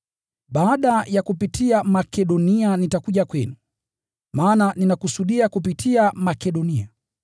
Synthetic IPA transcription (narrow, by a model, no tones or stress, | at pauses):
ɓaːɗajakupitʰiamakɛɗɔnianitakuʄakwɛnu | maːnaninakusuɗiakup̬itʰiamakɛɗɔnia